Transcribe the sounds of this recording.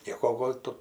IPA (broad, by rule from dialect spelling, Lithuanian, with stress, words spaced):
ˈnʲiɛkoː ˈɡoːlʲ tʊ